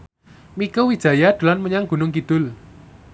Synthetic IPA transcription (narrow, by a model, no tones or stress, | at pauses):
mikəwid̥ʒ̥ä̤jad̪̥ṳlanməɲaŋɡ̥ṳnʊŋkid̪̥ʊl